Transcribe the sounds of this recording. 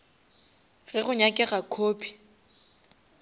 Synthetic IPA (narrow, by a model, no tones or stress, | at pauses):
ɣɛɣʊɲakʼɛɣakʰoːpʰi̥